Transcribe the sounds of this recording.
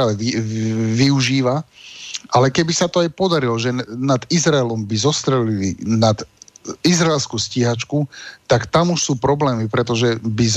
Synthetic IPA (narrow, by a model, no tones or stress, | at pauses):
ɛiʋiuʒiːʋa | ʔalɛkɛbisat̪ɔajpɔd̪aɾilɔʒɛnad̪izɾaɛlɔmbizɔst̪ɾɛlilḭnad̪izɾaɛlskusciɦat͡ʃkut̪akt̪amuʃsuːpɾɔblɛːmipɾɛt̪ɔʒɛbiz